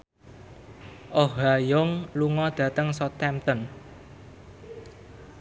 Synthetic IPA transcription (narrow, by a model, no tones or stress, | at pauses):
ʔɔɦajʊŋluŋɔd̪̥ä̤t̪əŋsɔt̪ɛmt̪ɔn